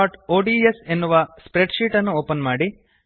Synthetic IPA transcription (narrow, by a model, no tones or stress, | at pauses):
aːʈoːɖiːese̞nːuʋɐspɾeʈʃiːʈɐnːuoːpɐnmaːɽi